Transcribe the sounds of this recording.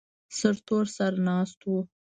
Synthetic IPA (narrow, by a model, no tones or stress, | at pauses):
səɾt̪oɾsaɾanɑst̪wu